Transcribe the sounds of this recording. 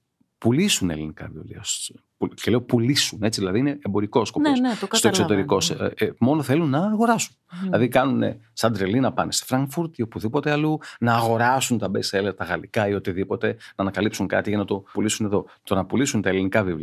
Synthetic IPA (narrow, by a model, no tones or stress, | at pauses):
pulisune̞̰linikɐ̰vḭvliɐspucele̞opulisune̞t͡siðilɐðiineembo̞ɾiko̞skoposkst̪oksot̪e̞ɾiko̞smo̞noθe̞lunːɐːɣo̞ɾɐsunilɐðikɐnune̞̰ | sɐnd̪ɾelinɐpɐnest̪o̥fɾɐŋɡfuɾt̪iopuðipo̞t̪e̞ɐlunɐːɣo̞ɾɐsunt̪ɐbeseleɾt̪ɐɣɐlikɐiot̪iðipo̞t̪e̞nɐːnɐkɐlipsuŋkɐ̰t̪iʝɐnɐt̪o̞pulisune̞ðo̞t̪onɐpulisunt̪ɐelinikɐvivliɐɐ